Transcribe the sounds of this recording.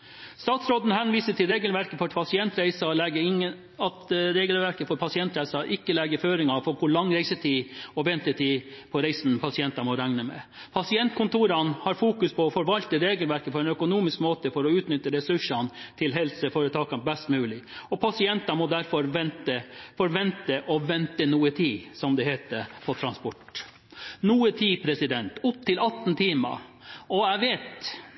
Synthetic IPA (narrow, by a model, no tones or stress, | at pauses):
st̪ɑːt̪sɾoːd̪n̩hɛnʋiːsəʈʰɪlɾeːɡəlʋæɾkəfɔɾpʰɑsɪɛnt̪ɾæɪsɑlɛɡəɾɪŋːən | ɑt̪ɾeːɡəlʋæɾkəfɔɾpʰɑsɪɛnt̪ɾæɪsɑʔɪkːəlɛɡəɾføːɾɪŋɑfɔkʊɭɑŋːɾæɪsət̪ʰiːɔʋɛnt̪ət̪ʰɪpʰɔɾæɪsnpʰɑsɪɛnt̪ɑmɔɾæŋnəmɛ̰ | pʰɑsɪɛnt̪kʰʊnt̪ʰuːɾɑnhɑɾfuːkʉspʰɔːfɔɾʋɑlt̪əɾeːɡəlʋæɾkəpʰɔɛɪnœkʊnuːmɪskmoːt̪əfɔɾɔʉːt̪nʏt̪ːəɾɛsʉʂɑnt̪ʰɪlɦɛlsəfoːɾət̪ʰɑːkɑnbɛst̪mʉːlɪɔpʰɑsɪɛnt̪ɑmɔd̪æɾfɔɾʋɛnt̪əfɔɾʋɛnt̪əʔɔʋɛnt̪ənuːət̪ʰiːsɔmd̪ɛheːt̪əɾpʰɔt̪ʰɾɑnspɔʈ | nuːət̪ʰiːpʰɾɛsɪd̪ɛnt̪ʊp̚t̪ʰɪlɑt̪ːn̩t̪ʰiːmɑ̰ɔæʋeːt̪